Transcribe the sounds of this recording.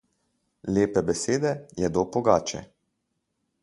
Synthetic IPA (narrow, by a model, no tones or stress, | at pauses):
leːpɛbɛseːd̪ɛjɛd̪opɔɡaːt͡ʃɛ̰